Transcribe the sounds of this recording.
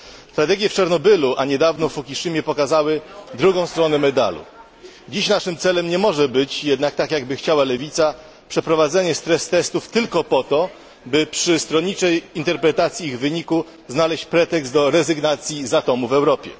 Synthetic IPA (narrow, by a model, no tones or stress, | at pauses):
st̪ɾat̪ɛɡʲjɛft͡ʂaɾnɔbɘluʔaɲɛd̪avnɔfukʲiʂɘmʲjɛpɔkazawɘd̪ɾuɡɔ̃w̃st̪ɾɔnɛmɛd̪a̰lṵ | d͡ʑiɕnaʂɘmt̪sɛlɛmɲɛmɔʐɛbɘt͡ɕjɛd̪nak̚t̪akjaɡbɘxt͡ɕawalɛvʲit̪sa | pʂɛpɾɔvad̪zɛɲɛst̪ɾɛst̪ɛst̪uft̪ɘlkɔpɔt̪ɔ | bɘpʂɘst̪ɾɔɲit͡ʂɛjint̪ɛɾpɾɛt̪at̪sʲjiiɣvɘɲiku | znalɛɕt͡ɕpɾɛt̪ɛkst̪d̪ɔɾɛzɘɡnat̪sʲjizat̪ɔmuvɛwɾɔpʲjɛ̰